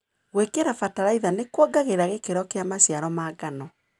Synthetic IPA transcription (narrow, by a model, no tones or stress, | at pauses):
ɣwekeɾafataɾaiðanekwɔɡaɣeɾaɣekeɾɔkeamaɕjaɾɔmaːɡanɔ